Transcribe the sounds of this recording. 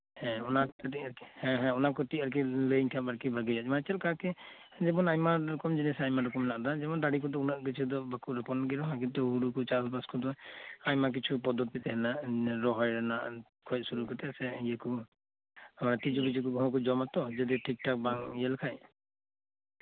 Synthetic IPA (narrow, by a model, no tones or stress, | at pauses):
hɛ̃ɔnakiɾhɛ̃ɦɛ̃ɔnakɔʈiaɾk̬iləŋkʰabaɾkibʱaɡid͡ʒat͡ʃ̚mat͡ʃɛlkakɛ | d͡ʒɛbɔnajmaɔkɔmd͡ʒɛnɛsajmaɾɔkɔmlaʔd̪ad͡ʒɛbɔnd̪aɽik̬ɔd̪ɔunaʔk̬it͡ʃʰud̪ɔbakuɾɛpɔnɡɛɾɔɦãk̬int̪uɦuɾukɔt͡ʃasbaskɔd̪ɔajmak̬it͡ʃʰupɔd̪ɔt̪it̪ɛɦɛnaʔɾɔɦɔjɾanaʔ | kʰɔjt̪̚suɾukɔt̪ɛsɛijɛku | amanat̪id͡ʒubid͡ʒik̬ɔbɔɦɔ̃k̬ɔd͡ʒɔmat̪ɔd͡ʒad̪iʈʰik̚ʈak̚baŋjɛlkʰaj